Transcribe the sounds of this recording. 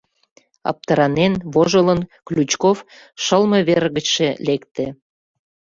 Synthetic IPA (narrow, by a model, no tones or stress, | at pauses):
ɑ̰p̚t̪əɾɑnenβoʒələnklʲut͡ɕkof | ʃəlmə̆βerɣə̆t͡ɕʃelekt̪ĕ